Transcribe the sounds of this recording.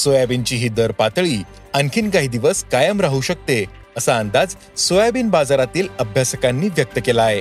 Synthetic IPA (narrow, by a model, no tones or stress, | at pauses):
sojabint͡ɕiːɦiːd̪əɾpat̪ɭiː | ənkʰiːnɡaɦid̪iʋəskajəmɾaɦuɕək̚t̪e | əsaːnd̪ad͡z | sojabiːnbad͡zaɾat̪iːləbʱjasəkanːiːʋjək̚t̪əkelae